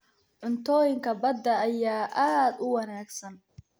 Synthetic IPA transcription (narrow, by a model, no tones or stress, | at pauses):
ʕʊnt̪ʰɔːjɪŋkʰɐbɐd̪ːɐːjaːʔaːd̪ʊwɐnaːɡsɐn